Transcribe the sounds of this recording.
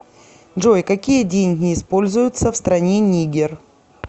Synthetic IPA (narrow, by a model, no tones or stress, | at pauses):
ʐojkɐkʲijədʲenʲɡʲnʲɪːspo̞lʲzʊjʊt̪səfst̪ɾɐnʲenʲiɡʲɪr